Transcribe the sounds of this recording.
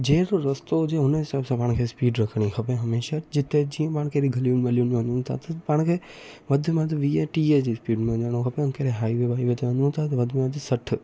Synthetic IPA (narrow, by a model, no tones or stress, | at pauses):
d͡ʒeːɾoɾɐst̪od͡ʒeɦʊnɪsaːbsãpaːɽ̃kʰeːspiːɖɾɐkʰɽ̃ixʰɐpeɦɐmeːʃad͡ʒɪt̪ed͡ʒiɐ̃paːɽ̃kʰeɾiɡʱɐlijʊnmelijʊñmẽʋẽːnd̪ũt̪ʰa̰t̪ɐpãːɽ̃kʰeːmɐd̪ʱəmãd̪iʋiːeʈiːed͡ʑiːspiːɖmẽõnd̪aːñõkʰɐpẽʊnkeːɾeɦaːiʋebaːiʋeːt̪ʰeʋẽːnd̪ũt̪ʰat̪ɐmɐd̪ʱmãt̪isɐʈʰ